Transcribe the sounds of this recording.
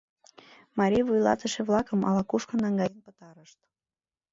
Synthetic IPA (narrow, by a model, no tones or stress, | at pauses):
mɑɾʲivujlɑ̰t̪əʃeβlɑkəmɑ̰lɑkuʃkə̆nɑŋɡɑjənpət̪ɑɾəʃt̪